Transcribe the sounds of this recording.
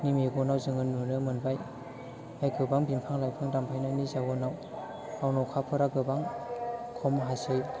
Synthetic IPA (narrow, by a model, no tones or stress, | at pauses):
nimeɡɔnawzɯŋɯnːunɯmɯnbaj | ajkɯbaŋbimpʰaŋlajpʰaŋdampʰajnanizaɡɔnaw | awnɔwkʰapʰɯɾaɡɯbaŋkʰɔmɦasɯj